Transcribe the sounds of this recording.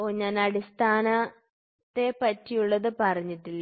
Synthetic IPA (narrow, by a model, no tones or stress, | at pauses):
oːɲaːnɐɽist̪ʰaːnɐ | t̪ːe̞pɐtːijuɭːɐðɨpɐrɐɲːiʈːilː